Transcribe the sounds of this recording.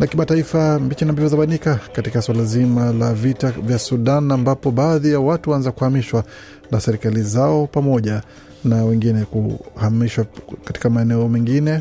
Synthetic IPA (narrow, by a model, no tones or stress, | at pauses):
nakimataifambit͡ʃinambivɔzaɓanikakatikaswalazimalavitavjasuɗanambapɔɓaːðijawatuwaanzakuhamiʃwa | nasɛɾikalizaɔpamɔʄa | nawɛŋɡinɛkuhamiʃwakati̥kamaɛnɛɔmɛŋɡinɛ